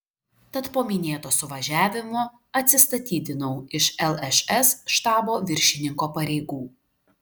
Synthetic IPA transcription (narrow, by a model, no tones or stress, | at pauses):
t̪ɐt̪poːmʲɪnʲeːt̪oːsʊʋɐʒʲæːʋʲɪmoː | ɐt̪ʲsʲɪst̪ɐt̪ʲiːd̪ʲɪnɐʊɪʃɛlˠɛʃɛsʃt̪ɑːboːʋʲɪɾʲʃʲɪnʲɪŋkoːpɐɾʲɛɪɡuː